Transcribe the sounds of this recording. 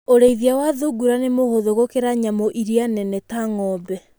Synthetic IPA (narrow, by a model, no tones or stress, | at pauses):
oɾeiðiawaðuɡuɾanemohoðoɣokeɾaɲamɔʔiɾianɛnɛtaŋɔbɛ